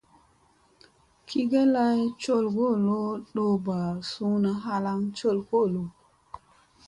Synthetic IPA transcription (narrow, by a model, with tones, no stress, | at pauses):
kʰi˦ɡe˦la˦jt͡ʃo˦˨lɡo˦˨lo˦ɗo˦ba˨su˦na˦ɦa˦la˦ŋt͡ʃo˦˨lko˦˨lo˨